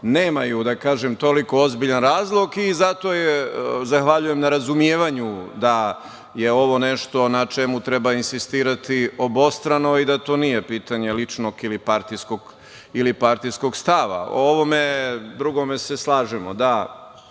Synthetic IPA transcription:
neːmajud̪akaːʒemt̪o̞liko̞ozbiʎanɾaːzlˠoɡizat̪o̞jezaxʋaʎuje̞mnaɾazumjeːʋaɲud̪a | jeo̞ʋo̞neʃt̪o̞nat͡ʃemut̪ɾebainsist̪iːɾat̪io̞bo̞st̪ɾano̞id̪at̪oːnije̞piːt̪aɲe̞lit͡ʂno̞ɡilipaɾt̪iskoɡ | ilipaɾt̪ijsko̞ɡst̪aʋa̰o̰oʋo̞me̞d̪ɾuɡo̞meseslˠaːʒɛmo̰d̪a

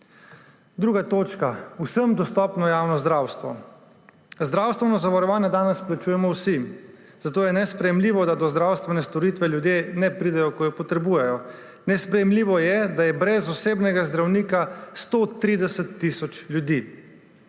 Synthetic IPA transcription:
d̪ɾuːɡat̪oːt͡ʃkausəmd̪ɔst̪ɔːpnɔjaːwnɔzd̪ɾaːwst̪ʋɔ̰ | zd̪ɾaːwst̪ʋɛnɔzaʋaɾɔʋaːnjɛd̪aːnɛsplat͡ʃujɛmɔwsi | zat̪oːjɛnɛspɾɛjɛmliːʋɔd̪ad̪ɔzd̪ɾawst̪ʋɛnɛst̪ɔɾiːt̪ʋɛljud̪jeːnɛpɾid̪ɛjɔkɔjɔpɔt̪ɾɛbuːjɛjɔ | nɛspɾɛjɛmliːʋɔjɛd̪ajɛbɾɛzɔseːbnɛɡazd̪ɾawniːkast̪ot̪ɾiːd̪ɛsɛt̪ːisɔt͡ʃlʲjud̪i

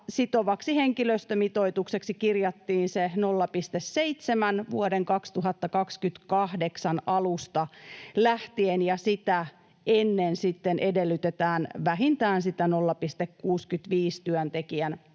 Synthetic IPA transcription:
sit̪oʋɑksiheŋkiløst̪ømit̪oit̪ukseksikirjɑt̪ːiːnsenolːɑpist̪esseit̪semænʋṵodeŋkɑkst̪uɦɑt̪ːɑkɑkskyt̪kɑhdeksɑnɑlust̪ɑlæht̪ienjɑsit̪æ | enːensit̪ːenʔedelːyt̪et̪æːnʋæɦint̪æːnsit̪ænolːɑpist̪ekkuːskyt̪ʋiːst̪yœnt̪ekiæn

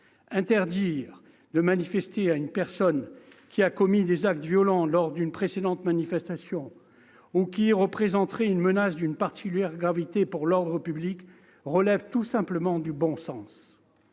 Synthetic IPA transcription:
ɛ̃t̪ɛʁd̪iʁ | d̪əmanifɛst̪eaynpɛʁsɔn | kʲiakɔmid̪ezak̚t̪vjɔlɑ̃lɔʁd̪ynpχesed̪ɑ̃t̪manifɛst̪asjɔ̃ | ukʲiʁəpχezɑ̃t̪χɛynmənasd̪ynpaʁt̪i̥kʲyljɛʁɡʁavit̪epuʁlɔʁd̪ʁəpyblik | ʁəlɛvt̪usɛ̃pləmɑ̃d̪ybɔ̃sɑ̃s

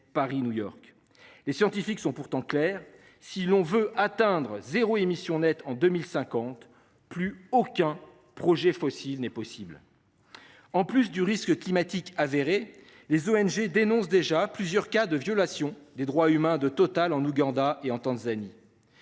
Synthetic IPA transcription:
paʁinujɔʁk | lesjɑ̃t̪ifiksɔ̃puʁt̪ɑ̃klɛːʁ | silɔ̃vøʔat̪ɛ̃d̪ʁəzeʁoemisjɔ̃nɛt̪ɑ̃d̪ømilsɛ̃kɑ̃t̪ | plyokʲɛ̃ | pχɔʒɛfɔsilnɛpɔsibl | ɑ̃plys̬d̪yʁiskklimat̪ikaveʁe | lezoɛnʒed̪enɔ̃sd̪eʒaplyzjœʁkad̪əvjɔlasjɔ̃d̪ed̪ʁwaymɛ̃d̪ət̪ɔt̪alɑ̃nuɡɑ̃d̪aʔeɑ̃t̪ɑ̃zani

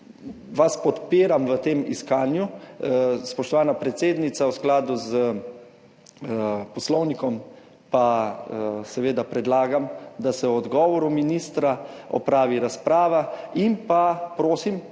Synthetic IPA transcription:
ʋaspɔt̪peːɾamʋət̪eːmḭskaːnju | spɔʃt̪ɔʋaːnapɾɛt̪seːd̪nit̪sawsklaːd̪uzə | pɔslɔwnikɔm | pa | sɛʋeːd̪apɾɛd̪laːɡamd̪asɛwɔd̪ɡɔːʋɔɾuminiːst̪ɾaɔ̰pɾaːʋiɾaspɾaːʋainpapɾoːsim

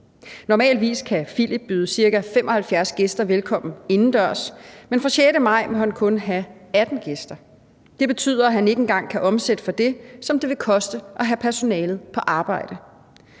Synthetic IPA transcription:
nɒmɛ̰ːldʋḭːskʰæfilib̥ːyːðˠəsiɐɡ̥æfem̰ʔɒ̽hælfjæɐsɡ̥e̝sd̥ɐʋelkʰɒ̽m̰n̩e̝nn̩d̥ɶɐ̰smenfʁɒ̈ɕeɾəmɑ̈ɪ̰mohænkʰɔ̽nɦææd̥n̩ɡ̥e̝sd̥ɐ | d̥e̝b̥e̝t͡sʰy̰ð̞̰ˠɐæɦæne̝ɡ̥enɡ̥ɑ̈ŋ̰kʰæʔɒ̽msed̥əfɒ̽d̥e̝sɒ̽md̥e̝ʋe̝kʰɒ̽sd̥əʔɒ̽ɦæpʰæɐso̝nɛːlð̩ˠpʰɒ̽ʔɑ̈ːb̥ɑ̈ɪ̰d̥ə

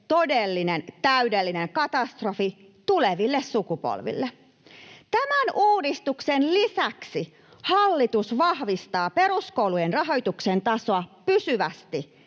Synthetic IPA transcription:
t̪o̞delːinent̪æydelːineŋkɑt̪ɑst̪rofi | t̪uleʋilːessukupo̰lʋḭlːe | t̪æmænuːdist̪uksenlisæksi | hɑlːit̪usʋɑhʋist̪ɑːpe̞ɾuskowlujenrɑɦo̞jt̪uksent̪ɑsoɑpysyʋæst̪i

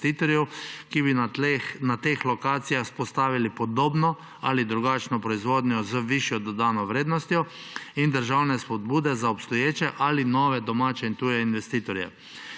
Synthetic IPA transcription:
t̪iːt̪ɔɾjɛwkibinat̪exlɔkaːt̪sijaxspɔst̪aːʋilipɔd̪oːbnɔ | alid̪ɾuɡat͡ʃnɔpɾɔizʋoːd̪ɲɔzəʋiʃjɔd̪ɔd̪aːnɔʋɾeːd̪nɔst̪jɔ | ind̪əɾʒawnɛspɔd̪buːd̪ɛzaɔpst̪ɔjeːt͡ʃɛʔalinɔːʋɛd̪ɔmaːt͡ʃɛint̪ujɛinʋɛst̪iːt̪ɔɾjɛ̰

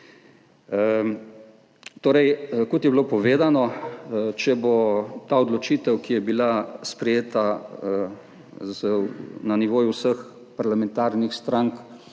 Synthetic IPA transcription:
t̪oːɾɛjkot̪jɛbiloːpɔʋeːd̪anɔ | t͡ʃɛbot̪aɔd̪lɔt͡ʃit̪ɛwkijɛbilaspɾɛjeːt̪a | znaniʋoːjuwsəx | paɾlamɛ̃nt̪aːɾnixst̪ɾaŋk

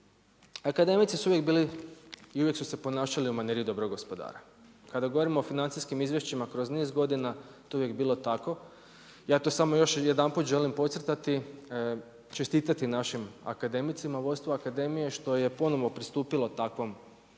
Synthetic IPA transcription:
akad̪e̞mit̪sisuuʋjekbiːliiuʋjeksuse̞po̞naːʃaliumaneɾijid̪o̞bɾoɡospo̞d̪a̰ːɾa | kad̪aɡo̞ʋo̞ɾimo̞ːfinant̪siskimizʋje̞ʃt͡ɕimakɾo̞zneːzɡo̞d̪inat̪ouʋjekbiːlo̞t̪ako̞ | jaːt̪o̞ːsamojo̞ʃjed̪amput̪ʒe̞limpo̞t̪sɾt̪at̪i | t͡ʃest̪iːt̪at̪inaʃima̰kad̪e̞mit̪simaʋo̞jst̪ʋoakad̪e̞mije̞ʃt̪o̞je̞po̞noʋopɾist̪uːpilˠot̪akʋo̞m

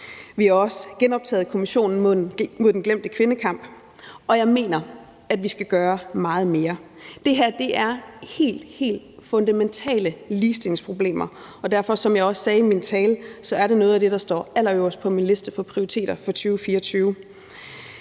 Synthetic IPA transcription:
ʋihɑ̈ɒ̽sɡ̥enɒ̽b̥̚t͡sʰɛ̰ːð̞̩ˠkʰo̝miɕo̝̰ːnn̩mo̝ð̰ˠmo̝ð̞̰ˠdenɡ̥lem̰d̥əkʰʋe̝nəkʰɑ̈m̰b̥ | ɒ̽jɑ̈ɪme̝̰ːnɐ | æd̥ʋisɡ̥æɡ̥ɶːɐmɑ̈ːð̞̩ˠme̝ːɐ | d̥e̝ɦæɐ̰d̥e̝ʔæɐhe̝̰ːld̥he̝̰ːld̥fɔ̽nd̥æment͡sʰɛ̰ːləliːsd̥eleŋspʰʁo̝b̥le̝̰ːmɐ | ɒ̽d̥æɐ̰fɒ̽sɒ̽mjɑ̈ɪɒ̽ssɛːimint͡sʰɛːləsɒ̽æɐɾenɔ̽ːð̞̩ˠæd̥e̝ɾ̥ɑ̈sd̥ɒ̰ːæl̰ɐoɒsə̥pʰɒ̽minle̝sd̥əfɒ̽pʰʁioʁit͡sʰe̝̰ːd̥ɐfɒ̽t͡sʰyːʊfiːɐɒt͡sʰyːʊ

